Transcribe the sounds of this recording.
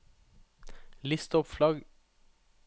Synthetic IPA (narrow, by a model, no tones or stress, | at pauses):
lɪst̪ɔpflɑɡ